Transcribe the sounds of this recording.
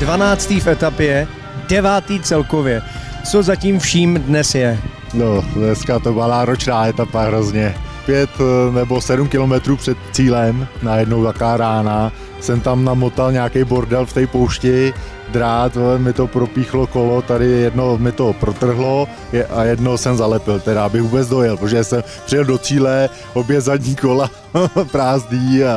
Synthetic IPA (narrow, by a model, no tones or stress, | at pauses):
dvanaːt͡st̪iːfʔɛt̪apjɛ | dɛvaːt̪iːt͡sɛlkovjɛ | t͡sozaciːmfʃiːmdnɛsjɛ | nonɛskat̪obadaːɾot͡ʃnaːʔɛt̪apaɦɾo̞zɲɛpjɛt̪nɛbo̞sɛdumkɪlomɛt̪ɾuːpr̥ɛt̪t͡siːlɛmnajɛdnowt̪akaːɾaːna | sɛmt̪amnamo̞t̪alɲaːkɛjbo̞ɾdɛlft̪ɛjpo̞wʃcɪ | d̪ɾaːt̪mɪt̪o̞pɾopiːxlo̞ko̞lot̪adɪjɛdnomɪt̪o̞pɾo̞t̪r̩ɦlo̞ | ɛʔajɛdno̞sɛmzalɛpɪlt̪ɛɾaabɪɣvuːbɛt͡sdo̞jɛlpɾoʒɛsɛmpr̥ɪjɛldo̞t͡siːlɛ | ʔobjɛzadɲiːko̞la | pɾaːzdiː